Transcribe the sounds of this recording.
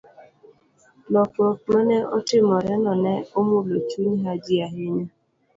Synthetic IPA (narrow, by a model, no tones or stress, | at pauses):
lɔkokmeneʔɔ̰tɪmɔɾɛnɔnɛomulotuɲiɦad͡ʒiaɦɪɲe